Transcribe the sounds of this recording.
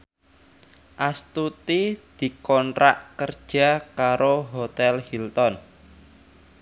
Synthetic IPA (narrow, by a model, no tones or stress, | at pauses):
ʔast̪ut̪id̪̥i̤kɔnɾa̰ʔkərd̥ʒ̥a̤kaɾoɦot̪ɛlhilt̪ɔn